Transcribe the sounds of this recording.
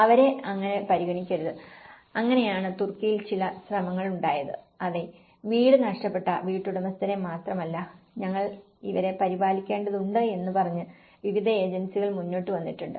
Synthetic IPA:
ɐʋɐɾe̞ɐŋːɐne̞pɐɾiɣɐɳikʲːɐɾɐðɨ | ɐŋːɐne̞jaːɳɨt̪urkːijilt͡ɕilɐɕrɐmɐŋːɐɭuɳɖaːjɐðɨ̰ | ɐðe | ʋiːɽɨnɐʂʈɐpːe̞ʈːɐ̰ʋiːʈːuɽɐmɐst̪ɐɾemaːt̪rɐmɐlːɐɲɐŋːɐɭ | iʋɐɾe̞pɐɾibaːlikʲːe̞ːɳɖɐðuɳɖɨe̞nːɨpɐrɐɲːɨ | ʋiʋid̪ʱɐe̞ːd͡ʑɐnsiɣɐɭmunːo̞ːʈːɨʋɐnːiʈːuɳɖɨ

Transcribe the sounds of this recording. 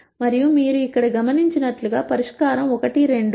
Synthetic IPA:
mɐɾijumiːɾuikːɐɽɐɡɐmɐniɲt͡ʃinɐʈluɡaːpɐɾiʂkaːɾɐmɔkɐʈiɾe̞ɳɖ

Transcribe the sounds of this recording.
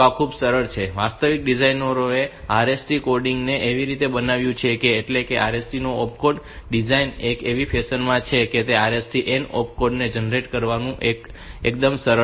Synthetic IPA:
ãkʰubsəɾəɭt͡ʃʰeʋast̪əʋik̚ɖid͡ʒajnəɾoeaɾesʈikoɾɖiŋɡneʔeʋiɾit̪ebənaʋjũt͡ʃʰekeːʈlekeʔaɾesʈinoɔp̚ʰkoɖ | ɖid͡ʒainekeʋipʰesənmãt͡ʃʰeket̪eaɾesʈiʔenɔ̰p̚koɖned͡ʒənɾeʈkəɾʋanũʔek | ek̚d̪əmsəɾə

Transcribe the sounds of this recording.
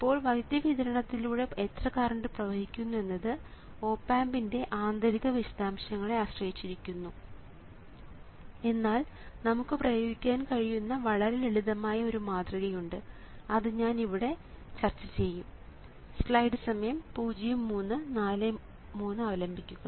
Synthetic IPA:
ipːo̞ːɭʋɐd̪jɐʋiðɐɾɐɳɐt̪ːiluːɽe̞et̪rɐkaːrɐɳɖɨprɐʋɐhikʲːunːue̞nːɐðɨ | o̞ːpːaːmbinde̞ʔaːnd̪ɐɾiɣɐʋiɕɐ̥d̪aːmɕjɐŋːɐɭe̞aːɕrɐjit͡ɕːiɾikʲːunːu | e̞nːaːl | nɐmukːɨprɐjo̞ːɡikʲːaːnkɐɻijunːɐʋɐɭɐɾeeɭiðɐmaːjɐo̞ɾumaːt̪rɐɣɐjuɳɖɨ | ɐðɨɲaːniʋiɽe̞ | t͡ɕɐrt͡ɕːɐt͡ɕe̞jːum | sɭɐjɖɨsɐmɐjɐmpuːd͡ʑijɐmːuːnːɨnaːle | muːnːɨɐʋɐlɐmbʱikʲːuɐ

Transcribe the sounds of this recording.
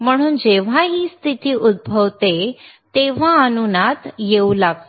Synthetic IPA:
m̤əɽ̃uːnd͡ʑeʋ̤aɦiːst̪ʰit̪iːʔud̪̚bʱəʋt̪e | t̪eʋ̤aənunat̪jeulaɡ̚t̪

